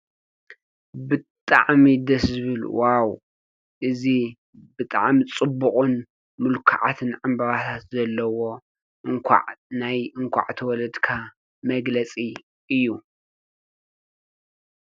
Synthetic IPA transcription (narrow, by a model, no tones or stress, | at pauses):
bɨtt̪ʼa̰ʕmid̪ɐszɨβɨlwaw | ʔɨzi | bɨt̪ʼa̰ʕmit͡sʼɨbːuχʼun | mɨlkʰaʕa̰t̪ʰɨnʕambɐɾat̪ʰat̪zɐlːɐwo̞ | ɨŋkʰʷa̰ʕnajɨŋkʷʰa̰ʕt̪ʰɐwɔlɐd̪kʰa | mɐɡlɐt͡sʼi | ʔɨjːu